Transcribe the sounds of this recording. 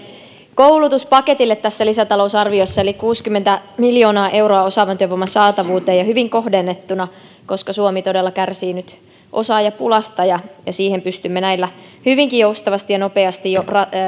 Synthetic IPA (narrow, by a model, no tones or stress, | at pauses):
kowlut̪uspɑke̞t̪ilːet̪ːæsːælisæt̪ɑlousɑrʋiosːɑelikuːskymːent̪æmiljo̞ːnɑːʔe̞wɾoɑo̞sɑʋɑnt̪yøʋomːɑsɑːt̪ɑʋuːt̪eːjɑhyʋiŋko̞hdenːet̪ːunɑ | ko̞skɑsuomit̪o̞delːɑkærsiːnyt̪ | ʔo̞sɑːjɑpulɑst̪ɑjɑjɑsiːhempyst̪ymːenæilːæhyʋiŋkijjoust̪ɑʋɑst̪ijɑno̞pe̞ɑst̪ijorɑ